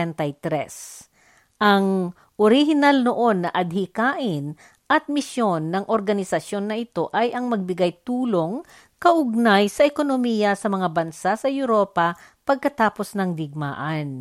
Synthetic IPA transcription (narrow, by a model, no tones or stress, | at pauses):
ɛnt̪ɐjt̪ɾɛ̰s | ʔɐŋ | ʔoɾɪhɪnalnoʔo̞nːɐʔɐd̪̚hɪkaːʔɪn | ʔɐt̪̚mɪsjo̞nːɐŋʔoɾɡɐnɪsɐsjo̞nːɐʔɪt̪o̞ʔɐjʔɐŋmɐɡ̚bɪɡajt̪uːlo̞ŋ | kɐʔʊɡ̚najsɐʔɛko̞nomiːjɐsɐmɐŋabɐnsasɐjʊɾoːpɐpɐɡ̚kɐt̪aːpo̞snɐŋd̪ɪɡ̚ma̰ːʔɐn